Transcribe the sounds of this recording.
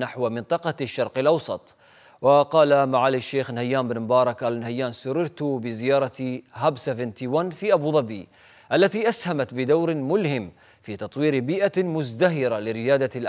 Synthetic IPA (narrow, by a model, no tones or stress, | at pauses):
naħwmɪnt̪ˤɑqɑʃːɑɾˤqɪlʔɑwsˤɑt̪ˤ | wɑqɑːlamaʕaːlɪʃːeːxnhajːaːmbɪnmʊbɑːɾˤɑkʔalanhajːaːnsʊrɪɾt̪ʊbɪzɪjɑːɾˤɑɦabsavɪnt̪iwanfiːʔabuːðˤɑbiː | ʔalːat̪iːʔashamat̪bɪd̪awɾmʊlhɪm | fiːt̪ɑt̪ˤwiːɾbiːʔamʊzd̪aɦɪɾalɪɾɪjaːd̪al